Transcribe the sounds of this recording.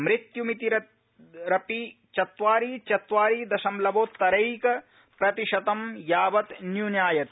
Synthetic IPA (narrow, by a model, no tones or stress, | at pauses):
mɾɪt̪jumit̪iɾɐ | ɾɐpi | t͡ʃɐt̪ʋaːɾiːt͡ʃɐt̪ʋaːɾiːd̪ɐʃɐmlɐʋoːt̪ːɐɾɐjkɐ | pɾɐt̪iʃɐt̪ɐmjaːʋɐt̪njuːnjaːjɐt̪